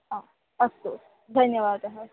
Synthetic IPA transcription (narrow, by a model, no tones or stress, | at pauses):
ɦã | ɐst̪o | d̪ʱɐnjəʋaːd̪ɐɦə